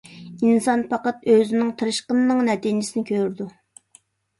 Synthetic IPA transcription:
insɑnpʰɑqɑt̪øzɪnɪŋt̪ʰɨɾɨʃqənːɨŋnɛt̪ind͡ʒɪsɪnɪkʲʰøɾd̪u

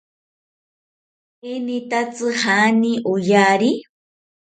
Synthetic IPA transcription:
enit̪at͡sɨhaniʔʊjaɾi

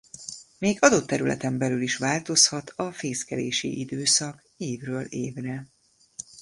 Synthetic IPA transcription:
meːɡɒd̪ot̪ːɛɾylʔɛ̰t̪ɛmbɛlyliʃʋaːlt̪o̞shɒt̪ʰɒfeːskɛlḛːʃḭʔid̪øːsɒk | eːvrøːleːvrɛ

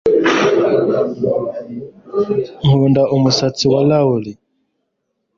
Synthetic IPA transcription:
ŋuβɛndaʔumusat͡siwalauli

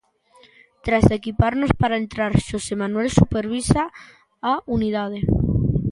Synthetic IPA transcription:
t̪ɾazekipaɾnospaɾaent̪ɾaɾʃosemanwelsupeɾβ̞isa | auniðað̞e

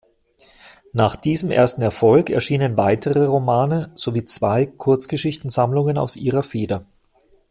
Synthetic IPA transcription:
naːχd̥iːzəmʔḛːɐstn̩ɛɐfɔlkɛ̰ɐʃiːnənvaɪtʰəʁəʁomaːnəz̥oviːt͡sv̥aɪkʰʊɐt͡sɡ̥əʃɪçtn̩zamlʊŋəna̰ʊsʔiːʁɐfeːdɐ

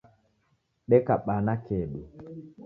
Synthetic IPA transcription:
ɗɛkaɓanakɛɗu

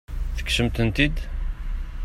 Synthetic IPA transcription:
θə̥kʃəmt̪ənt̪id̪

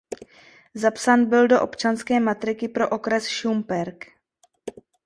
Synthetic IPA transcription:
zapsaːnbɪldo̞ʔo̞pt͡ʃanskɛːmat̪ɾɪkɪpɾo̞ʔo̞kɾɛsʃumbɛɾk

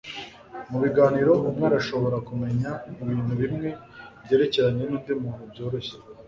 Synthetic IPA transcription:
muβiɡaːniɾo̞ʔumŋeɾaʃo̞βo̞ɾakume̞ɲaiβiːn̥huβimŋe̞ | bɟe̞ːɾe̞ceɾaɲe̞niːndimuːnubɟo̞ːɾo̞ɕe

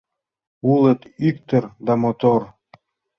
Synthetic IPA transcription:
ulˠət̪ykt̪ə̆ɾd̪ɑmot̪or

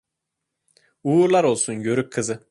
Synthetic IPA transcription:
uːɾlˠaɾo̞lˠsunɟø̞ɾyk̚ʲkʰːɯzɯ

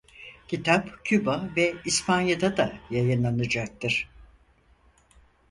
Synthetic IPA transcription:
cʰit̪ʰapcʰybavɛispʰanjad̪ad̪ajajɯnlˠanɯd͡ʒak̚t̪ɯɾ̥

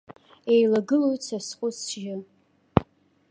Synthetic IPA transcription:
ejlaɡɨlojt͡sʰasqʷʼʊsʒɪ

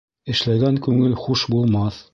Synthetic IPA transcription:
ɘ̆ʃlæɡæŋkʉŋɘlχuʃbulˠmɑθ

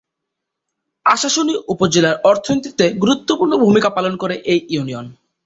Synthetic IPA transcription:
aʃaʃoniʔupod͡ʑelaɾɔɾt̪ʰonit̪i̥t̪eɡuɾut̪ːopuɾnobʱumikapalonkoɾeʔejunion

